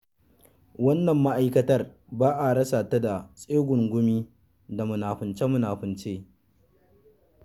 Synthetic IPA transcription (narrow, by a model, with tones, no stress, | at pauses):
wɐ˦nːɐ˨mːa˦ʔa˦jkɐ˦tɐ˦r | baː˦ʔa˨ɽɐ˦sa˨ta˦da˨sʼeː˦ɡʷʊ˨ŋɡʷʊ˦miː˦ | da˨mʊ˨naː˨ɸʊ˨nt͡ʃe˦mʊ˨naː˨ɸʊ˨nt͡ʃeː˦